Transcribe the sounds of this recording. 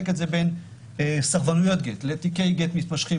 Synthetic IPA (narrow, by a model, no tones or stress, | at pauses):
ketzeben | saʁvanujo̞t̪̚ɡetlet̪ikejɡet̪mit̪̚paʃχi